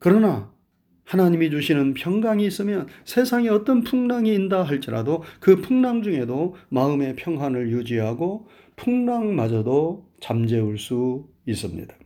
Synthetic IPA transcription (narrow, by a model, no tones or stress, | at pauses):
kɯɾʌna | hanaɲimid͡ʑuɕʰinɯnpʰjʌŋɡaŋiːs͈ɯmjʌnsʰe̞sʰaŋiʌt͈ʌnpʰuŋnaŋiːndaɦaɭt͡ɕ͈iɾadokɯpʰuŋnaŋd͡ʑuŋe̞domaɯme̞pʰjʌŋɦanɯɭjud͡ʑiɦaɡo | pʰuŋnaŋmad͡ʑʌdot͡ɕamd͡ʑe̞uɭs͈u | is͈ɯmɲḭdḁ